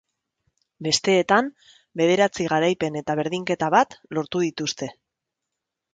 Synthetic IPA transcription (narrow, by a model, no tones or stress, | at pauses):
be̞st̪e̞ːt̪am | be̞ð̞e̞ɾat͡siɣ̞aɾajpe̞ne̞t̪aβ̞e̞ɾðiŋke̞t̪aβat̪lo̞ɾt̪uðit̪ust̪e̞